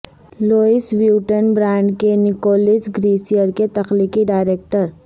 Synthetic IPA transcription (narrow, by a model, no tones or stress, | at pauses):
loːɪsʋjuːʈənbɾãːɳɖkenɪkoːlɪsɡɾiːsijəɾket̪ɐxliːkiɖaːɪɾeːk̚ʈəɾ